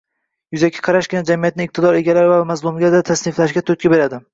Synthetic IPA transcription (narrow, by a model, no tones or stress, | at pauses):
jʊzakʲʰɪ̥qʰɑɾaʃɡʲɪnad͡ʒamijat̪̚nɪɪq̚t̪ʰɪd̪ɒɾe̞ɡʲalaɾɪvamazlˠumɡʲad̪at̪ʰasnɪflaʃɡʲat̪ʰot̪̚kʲɪbe̞ɾad̪ɪ